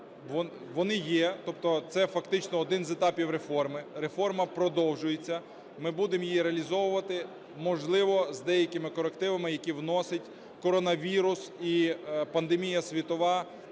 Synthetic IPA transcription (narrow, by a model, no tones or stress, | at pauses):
ʋɔ | ʋɔnɪjɛt̪ɔp̚t̪ɔt̪sɛfɐkt̪ɪt͡ʃnɔːd̪ɪnzɛt̪ɑpʲiwɾe̞fɔrmɪɾefɔrmɐpɾɔd̪ɔwʒʊjet͡sʲːɐ | mɪbud̪emjijiɾeɐlʲizɔʋʊʋɐt̪ɪ | mɔʒlˠɪʋɔzd̪ɛjɐkʲɪmɪkɔɾekt̪ɪʋɐmɪjɐkʲiwnɔsɪtʲ | kɔɾɔnɐʋʲiɾʊsipɐnd̪emʲijɐsʲʋʲit̪ɔʋɑ